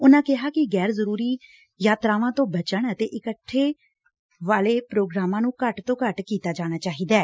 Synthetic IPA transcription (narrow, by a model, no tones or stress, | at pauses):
ʊnãːkɪɦaːkɪɡɛːɾzəɾuːɾiː | jaːt̪ɾaːʋãːt̪õːbət͡ʃəɳət̪eːʔɪkəʈʰːeː | ʋaːleːpɾoːɡɾaːmãːnũːkəʈt̪õːkəʈkiːt̪aːd͡ʒaːɽ̃aːt͡ʃaːɦiːd̪aː